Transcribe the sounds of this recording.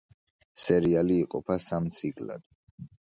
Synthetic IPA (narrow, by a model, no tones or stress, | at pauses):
sɛɾialiːqʼɔpʰasamt̪sʰikʼla̰d̪̥